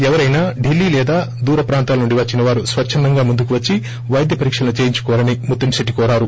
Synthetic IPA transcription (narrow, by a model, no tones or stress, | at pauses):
ɛʋɐɾɐjnaːɖilːiːlɛːd̪aː | d̪uːɾɐpɾaːnt̪aːlɐnuɳɖiʋɐt͡ʃːinɐʋaːɾusʋɐt͡ʃʰːɐnd̪ɐŋɡaːmund̪ukuʋɐt͡ʃːi | ʋɐjd̪ʱjɐpɐɾiːkʂɐlɐnut͡ʃeːjiɲt͡ʃu̥kɔːʋlɐnimut̪ːɐmsiʈːikɔːɾaːɾu